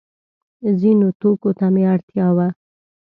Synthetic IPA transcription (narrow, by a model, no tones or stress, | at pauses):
zinot̪okot̪ameaɽt̪jɑwa